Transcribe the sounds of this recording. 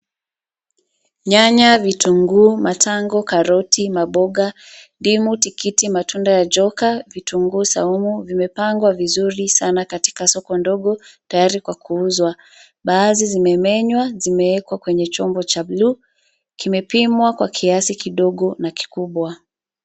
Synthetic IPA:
ɲaɲavituŋɡuːmatʰaŋɡɔkaɾɔtimaɓɔɠa | ndimutikitimatʰundajad͡ʒɔkavituŋɡusa̰umuvimɛpaŋɡwavizuɾisanakati̥kasɔkɔndɔɠɔtajaɾikwakuuzwa | ɓaːzizimɛmɛɲwazimɛɛkwakwɛɲɛt͡ʃɔmbɔt͡ʃabluː | kimɛpimwakwakʰiasikiɗɔɠɔnaki̥kuɓwa

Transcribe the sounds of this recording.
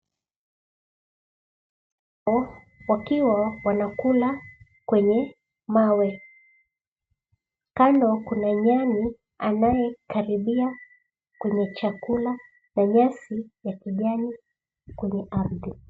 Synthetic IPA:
ɔ | wakiwawanakula | kwɛɲɛ | mawɛ | kandɔkunaɲani | a̰najɛkaɾiɓia | kwɛɲɛt͡ʃakula | naɲasijakiʄani | kwɛɲɛʔamði

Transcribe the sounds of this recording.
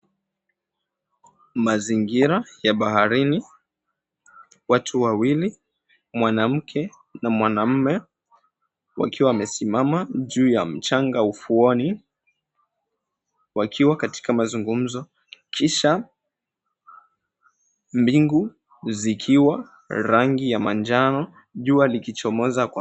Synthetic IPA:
maziŋɡiɾajaɓahaɾini | watʰuwawili | mwanam̩kʰɛ | namwanam̩mɛ | wa̰kiwamɛsimamaʄuːjam̩t͡ʃaŋɡaufuɔni | wakʰiwakati̥kamazuŋɡum̩zɔ | kʰiʃa | mbiŋɡu | zikʰiwa | ɾaŋɡijamand͡ʒanɔ | ʄualikit͡ʃɔmɔzakw

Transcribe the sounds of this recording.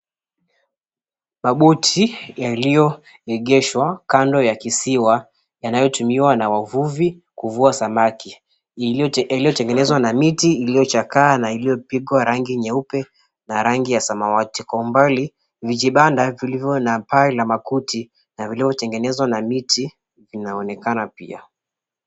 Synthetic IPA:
maɓutʰijalijɔ | ɛɠɛʃwakandɔjakisiwa | janajɔtumiwanawavuvi | kuvuasamaki | alijɔtɛŋɡɛnɛzwanamitiːlijɔt͡ʃakaːnailijɔpiɠwaɾaŋɡiɲɛupɛ | naɾaŋɡijasamawatikɔumbali | vid͡ʒiɓandavilivɔnapailamakuti | navilivjɔtɛŋɡɛnɛzwanamiti | vinaɔnɛkanapḭa̰

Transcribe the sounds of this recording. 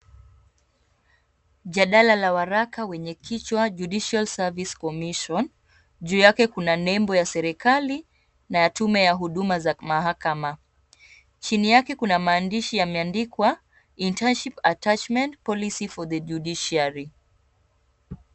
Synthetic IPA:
ʄaɗalalawaɾakawɛɲɛkit͡ʃwaʄuɗiʃalsaviskɔmiʃɔn | ʄuːjakɛkunanɛmbɔjasɛɾikali | najatumɛjaɦuɗumazamaɦakama | t͡ʃinijakɛkunamaːndiʃijamɛandikwa | intanʃipatat͡ʃmɛntpɔlisifɔðəd͡ʒuɗiʃiaɾi

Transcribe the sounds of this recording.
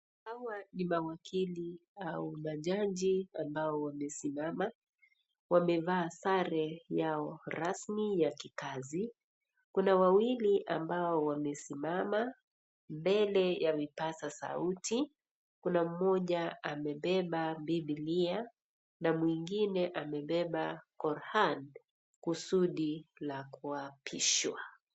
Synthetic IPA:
hawanimawakʰiliaumaʄaɲd͡ʒiambaɔwamɛsimama | wamɛvaːsaɾɛjaɔɾasmijakikazi | kunawawiliʔa̰mbaɔwamɛsimama | mbɛlɛjavipasasa̰utʰi | kunam̩mɔʄaamɛɓɛɓambiɓilia | namwiŋɡinɛʔamɛɓɛɓakɔɾhan | kusuɗilakuapʰiʃwa

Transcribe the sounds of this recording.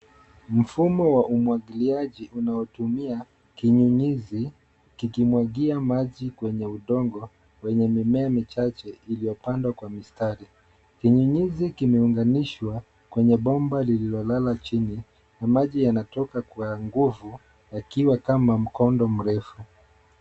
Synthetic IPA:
m̩fumɔwaʔumwaɠiliaʄiʔunaɔtumia | kiɲuɲizi | kikimwaɠiamaʄikwɛɲɛuɗɔŋɡɔ | wɛɲɛmimɛamit͡ʃat͡ʃɛilijɔpandwakwamistaɾi | kiɲuɲizikimɛuŋɡaniʃwa | kwɛɲɛɓɔmbalililɔlalat͡ʃini | namaʄijanatɔkakwaŋɡuvu | jakiwakamam̩kɔndɔm̩ɾɛfu

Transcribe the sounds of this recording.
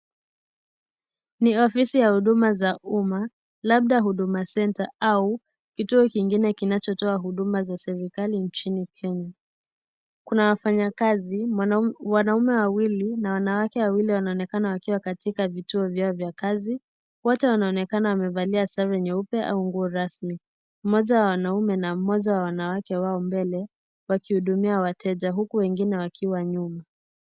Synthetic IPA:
niɔfisijahuɗumazaʔuma | laɓ̚ɗaɦuɗumasɛntaau | kituɔkiŋɡinɛkinat͡ʃɔtɔaɦuɗumazasɛɾikalint͡ʃinikʰɛɲa | kunawafaɲakazi | wanaumɛwawilinawanawakɛwawiliwanaɔnɛkanawakiwakatikavituɔvjaɔvjakazi | wɔtɛwanaɔnɛkanawamɛvaliasaɾɛɲɛupɛʔa̰uŋɡuɔɾasmi | m̩mɔʄawawanaumɛnam̩mɔʄawawanawakɛwaɔmbɛlɛ | wakihuɗumiawatɛʄaɦukuwɛŋɡinɛwakʰiwaɲuma

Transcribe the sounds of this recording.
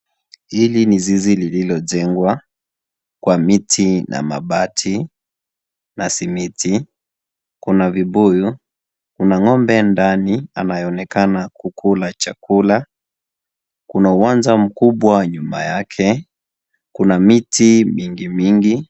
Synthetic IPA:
hilinizizilililɔʄɛŋɡwa | kwamitʰinʔa̰ma̰ɓatʰi | nasimitʰi | kunavibuju | kunaŋɔmbɛndania̰najɔɔnɛkanakukʰulat͡ʃakula | kunauwanzam̩kuɓwaɲuma̰jakʰɛ | kunamitimiŋɡimiŋɡi

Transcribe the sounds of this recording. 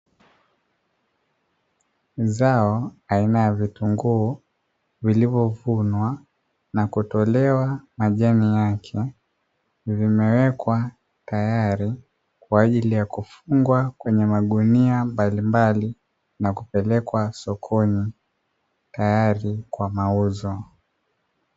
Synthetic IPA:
zaɔainajavituŋɡuː | vilivɔvunwa | nakutɔlɛwamaʄanijakʰɛ | vimɛwɛkwa | tajaɾi | kwaːʄilijakufuŋɡwakwɛɲɛmaɠuniambalimbali | nakupɛlɛkwasɔkʰɔni | tajaɾikwamauzɔ

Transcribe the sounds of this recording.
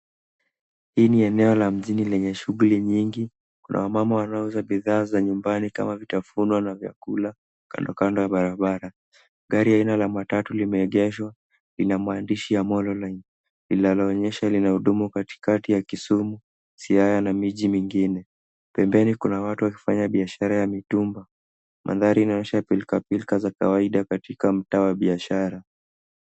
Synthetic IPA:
hiːniɛnɛɔlam̩ʄinilɛɲɛʃuɣuliɲiŋɡi | kunʔa̰wamamawanauzaɓiðaːzaɲumbanika̰mavitafunwanavja̰kula | ka̰ndɔkandɔjaɓaɾaɓaɾa | ɠaɾiainalamatatulimɛɛɠɛʃwa | linamwaːndiʃijamɔlɔlan | lilalɔːɲɛʃalinahuɗumukati̥katijakisumu | siajanamiʄimiŋɡinɛ | pɛmbɛnikunawatuwaki̥faɲaɓiaʃaɾajamitumba | mʔa̰ðaɾiːnaɔɲɛʃapilkapilkazaka̰waiɗakatikam̩tawaɓiaʃaɾa

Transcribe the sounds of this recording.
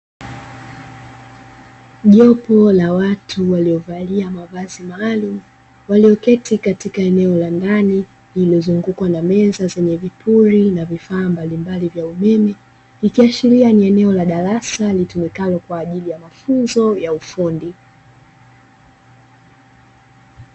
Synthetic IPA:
ʄɔpɔlawatʰuwaliɔvaliamavazimaːlumu | waliɔkɛtikatikaɛnɛɔlandani | liliɔzuŋɡukwanamɛzazɛɲɛvipuɾinavifaːmbalimbalivjaumɛmɛ | ikiaʃiɾianiɛnɛɔlaɗaɾasalitumikalɔkwaːʄilijamafunzɔjaufundi

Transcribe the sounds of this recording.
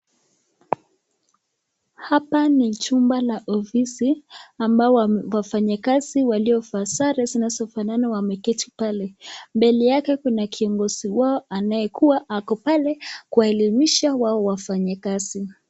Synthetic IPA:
hapanit͡ʃumbalaʔɔfisiambaɔwafaɲakaziwaliɔfasaɾazinazɔfananawamɛkɛtipalɛmbɛlijakɛkunakʰiɔŋɡɔz̥iwaɔʔanajɛkʰuwaʔakɔpalɛkuwaɛlimiʃawaɔwafaɲakazi

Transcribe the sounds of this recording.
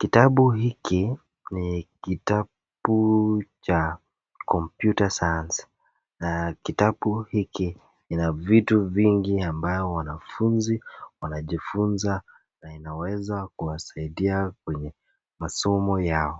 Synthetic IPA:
kitaɓuɦiki | nikita | ɓut͡ʃa | kʰɔmpjutasajans | nakitaɓuhiki | inavituviŋɡiambajɔwanafunziwanaʄifunza | nainawɛzakuwasaiɗiakwɛɲɛ | masɔmɔjaɔ

